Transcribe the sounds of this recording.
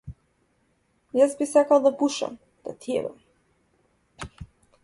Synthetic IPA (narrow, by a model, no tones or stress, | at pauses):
jazbisakalˠd̪apuʃa̰m | d̪̥a̰t̪ʰiɛ̰ba̰m